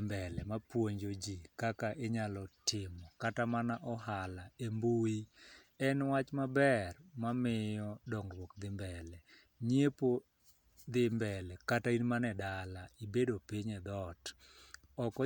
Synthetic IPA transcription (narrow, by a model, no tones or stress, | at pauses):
mbɛlɛmapwoɲd͡ʒod͡ʒikakaʔeɲalɔtɪmɔkatamanaʔɔɦalaembui | ɛnwat͡ʃmabɛrmamɪjɔdɔŋɡrwokd̪ɪmbɛlɛ | ɲiepo | d̪ɪmbɛlɛkatainmanɛdalaibedopiɲɛd̪ɔt | ɔkɔ